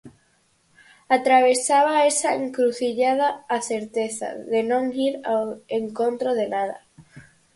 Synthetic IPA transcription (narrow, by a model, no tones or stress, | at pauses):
at̪ɾaβ̞esaβaesaeŋkɾuθiʎað̞aaθeɾt̪eθa̰ðenõŋiɾaweŋkont̪ɾoðenað̞a̰